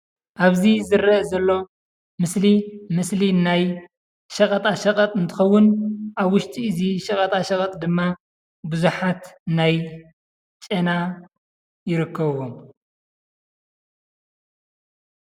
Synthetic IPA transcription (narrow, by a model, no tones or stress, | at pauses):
ʔaβzizɨɾɐʔzɐlːo̞ | mɨslimɨslinaj | ʃɐkʼɐt̪ʼaʃɐkʼɐt̪ʼɨnt̪ʰɨ̥xɐwːʊnʔaβwʊʃt̪ʼʰiʔɨziʃɐkʼɐt̪ʼaʃɐkʼɐt̪ʼd̪ɨmːa | bɨzuħat̪naj | t͡ʃʼɐna | jɪɾɨkʰːɐβwom